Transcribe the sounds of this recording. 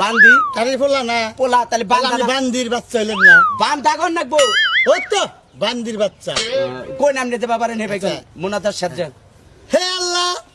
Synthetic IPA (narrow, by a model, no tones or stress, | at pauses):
band̪ik̪aɾipolanapolat̪ajlebaiband̪iɾbatːʃajlennabamd̪ʱaɡʱɔnːak̚boɦot̪o | band̪iɾbatːʃa̰kojnamned͡zebabaɾenɦebajkɔnmunad͡zaʃad̪d͡ʒa | healːa